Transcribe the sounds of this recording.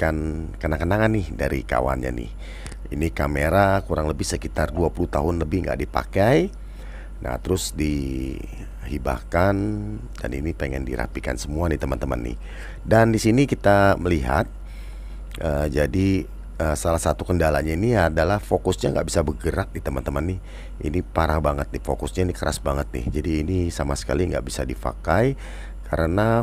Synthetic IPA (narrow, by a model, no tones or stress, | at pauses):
kankənakənaŋanːɪhdaɾḭka̰wa̰nɲa̰nɪ̰h | inikameɾakuɾaŋləbɪhsəkit̪arduapulut̪a̰ɦʊnləbɪhŋɡa̰ʔdipa̰kaj | nʔa̰ht̪əɾʊsdi | hiba̰kan | da̰ninipəŋɛndḭɾa̰pika̰nsəmuadit̪əmənt̪əmə̰nːɪ̰h | dandisinikit̪aməliɦa̰t̪̚ | ʔəd͡ʒadi | əsalahsat̪ukəndala̰ɲainiadalahfokʊsɲaŋɡa̰ʔbisabəɡəɾaʔ̚dit̪əmant̪əmanːɪh | ʔḭnipaɾahbaŋət̪̚nɪhfokʊsɲainikəɾasbaŋət̪̚nɪ̰hd͡ʒadiːnisamasə̥kaliŋɡa̰ʔbisadipa̰kaj | kʰaɾəna